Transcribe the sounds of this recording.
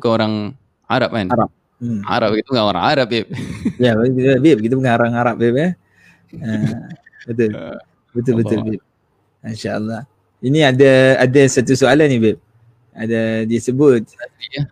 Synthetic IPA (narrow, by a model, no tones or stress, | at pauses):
ukanoɾaŋ | aɾap̚kanaɾap̚ | a̰ɾap̚ɡit̪upəŋaoɾa̰ŋaɾap̚bep̚jabibep̚ɡit̪̬upəŋaoɾaŋaɾap̚bep̚a | ə | bət̪̬ʊl | bət̪̬ʊlbət̪ʊlbep̚ | inʃaʔə̰lːɑh | iniadaadasat̪̬usoalanibep̚ | adadiasəbʊt̪̚at̪ia